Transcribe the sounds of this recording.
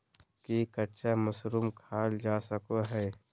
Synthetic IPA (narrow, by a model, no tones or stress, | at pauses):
kikɐtːʃʰaməsɾuːmkʰaːld͡ʒaːsəkoɦɛː